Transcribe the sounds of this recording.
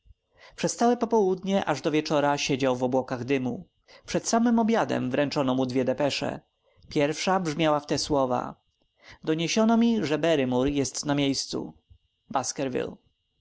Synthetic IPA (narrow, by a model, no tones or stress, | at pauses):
pʂɛst̪awɛpɔpɔwud̪ɲɛʔaʐd̪ɔvʲjɛt͡ʂɔɾaɕɛd͡ʑawvɔbwɔkaɣd̪ɘmu | pʂɛt̪samɘmɔbʲjad̪ɛ̰mvɾɛnt͡ʂɔnɔmud̪vʲjɛd̪ɛpɛʂɛ̰ | pʲjɛɾfʂabʐmʲjawaft̪ɛswɔva̰ | d̪ɔɲeɕɔnɔmʲiʐɛbɛɾɘmuɾjɛst̪namʲjejst̪sṵ | baskɛɾvʲḭl